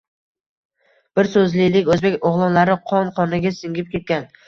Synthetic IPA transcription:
b̥ɪɾsɵzlɪlɪkʲɵzbekʲoʁlˠɒnlaɾɪqʰɒnqʰɒnɪɡʲasɪŋʲɪp̚kʲʰe̞t̪̚kʲan

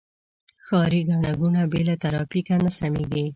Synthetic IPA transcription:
xɑɾiɡaɳ̃aɡunabelat̪aɾɑfikanasameɡi

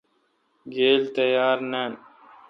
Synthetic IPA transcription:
ɡeːlt̪əjaːɾneːn

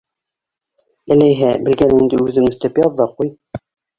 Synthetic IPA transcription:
ɘ̆læjɦæbɘ̆lɡænɘind̪ɘʉðɘŋɵ̆θt̪æpjɑðːɑquj

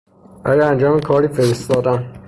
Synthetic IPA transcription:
æjæænd͡ʒɒːmekʰɒːɾiːfeɾest̪ɒːd̪æn

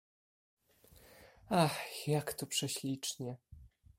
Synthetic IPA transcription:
axjakt̪ɔpʂɛɕlʲit͡ʂɲɛ

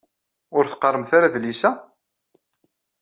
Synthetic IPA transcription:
ʊɾθqərˤːəmθaɾaðlisæ

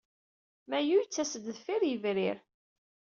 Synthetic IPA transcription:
mæjujt͡sːæsəd̪ðfiɾjəvɾiɾ

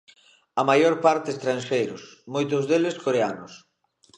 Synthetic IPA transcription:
ɐmajoɾpaɾt̪ɪst̪ɾansʃejɾʊsmojt̪ʊzðeleskoɾeanʊs

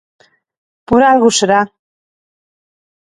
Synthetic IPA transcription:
puɾalɣuseɾa

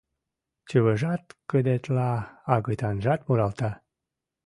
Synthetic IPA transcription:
t͡ɕəβəʒɑt̪kəd̪et̪lɑːɣɤjt̪ɑnʒɑt̪muɾɑlt̪ɑ

